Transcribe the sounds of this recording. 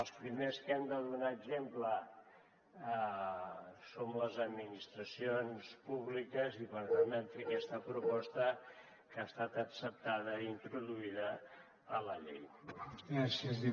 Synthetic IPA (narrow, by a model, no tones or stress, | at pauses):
lˠspɾimeskɛmd̪əðunaəɡzemplə | somləzəd̪minist̪ɾəsionspuβlikəziβənðanənfɾekɛst̪əpɾupɔst̪ə | kaːst̪at̪əksəp̚t̪að̞əint̪ɾuðuiðəː | ləʎej | asəzði